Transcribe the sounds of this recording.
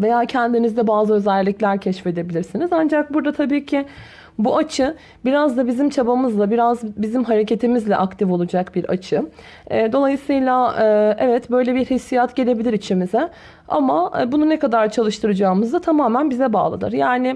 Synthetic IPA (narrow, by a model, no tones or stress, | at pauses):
ve̞jaːcʰɛnd̪inizd̪ɛbaːzɯø̞zɛlʲːiclʲæɾcʰɛʃfe̞d̪e̞bilʲiɾsinizand͡ʒak̚buɾd̪at̪ʰabiːcʰɪ | buat͡ʃʰɯ | biɾazd̪abizimt͡ʃʰabamɯzlˠabiɾazbizimɦaɾe̞cʰe̞t̪ʰimizlʲɛʔakt̪ʰifo̞lˠud͡ʒakbiɾa̰t͡ʃʰɯː | d̪o̞lˠajɯsɯjlˠaʔɛvɛt̪bø̞jlʲebiɾhisijat̪ɟe̞lʲe̞bilʲiɾit͡ʃʰimizɛ | a̰mabununɛkad̪aɾt͡ʃʰalˠɯʃt̪ʰɯɾɯd͡ʒaːmɯzd̪at̪ʰamaːmænbizɛba̰ːlˠa̰d̪ɯ̰ɾjaːnɪ